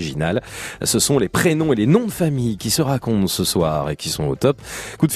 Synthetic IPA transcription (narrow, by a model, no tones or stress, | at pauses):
iʒinalsəsɔ̃lepχenɔ̃elenɔ̃d̪əfamijkʲisəʁakɔ̃t̪səswaːʁekʲisɔ̃o̰t̪ɔpkud̪f